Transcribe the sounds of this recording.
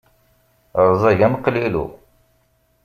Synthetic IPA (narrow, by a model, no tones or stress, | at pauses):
ɾˤzˤɑʝæmqlilṵ